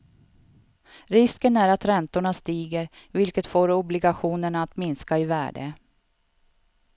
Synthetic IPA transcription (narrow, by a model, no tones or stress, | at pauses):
ɾɪskənæɾat̪ɾɛnt̪ʊɳast̪iːɡəɾvɪlkət̪foːɾʊblɪɡaɧuːnəɳaːt̪mɪnskaɪvæ̰ːɖə̰